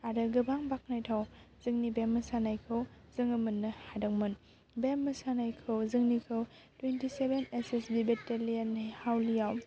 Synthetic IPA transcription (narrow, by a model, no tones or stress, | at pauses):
aɾɯɡɯbaŋbak̚najtʰaw | zɯŋnibemːɐsanajkʰɯw | zɯŋɐmɯnːɐhadɐk̚mɯn | bemːɐsanajkʰɯwzɯŋnikʰɯw | twentisebenesesdibetelianːhawlijaw